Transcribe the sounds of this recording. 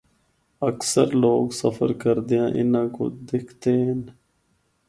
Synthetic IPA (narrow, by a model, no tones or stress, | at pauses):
əksə̰ɾloːɡsəfə̰ɾkəɾd̪ejãːʔɪnãːko̰d̪ɪkʰt̪eːɦən